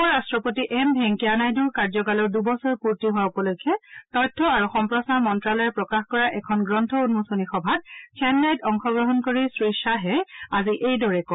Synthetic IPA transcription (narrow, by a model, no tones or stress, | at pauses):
ɔɹastɹɔpotiʔɛmbʱɛŋkianajduɹkaɹzɔkalɔɹdubɔsɔɹpuɹtiɦʊwaukɔlojkʰɛtɔjtʰːɔaɹuxɔmpɹɔsaɹmɔntɹalɔjɛpɹɔkaxkɔɹaʔɛkʰɔnɡɹɔntʰɔunmusonixɔbʱat̚kʰɛnlajtɔŋxɔɡɹɔɦɔnkoɹisɹisaɦɛaziʔejdɔɹɛkɔ